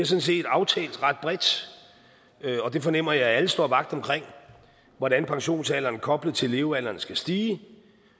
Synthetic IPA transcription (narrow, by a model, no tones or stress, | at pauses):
eɐsɒ̽nse̝̰ːd̥ɑ̈ʊt͡sʰɛ̰ːld̥ʁɑ̈d̥̚b̥ʁɛd̥ | ɒ̽d̥e̝fɒ̽nem̰ɐjɑ̈ɪæləsd̥o̝ɐ̰ʋɑ̈ɡ̥̚d̥ɒ̽mkʰʁeŋ̰ | ʋɒɾænpʰɑ̈ŋɕo̝̰ːnsɛlɐnkʰɒ̽b̥ləð̩ˠt͡sʰe̝le̝ːʊælɐnsɡ̥æsd̥iː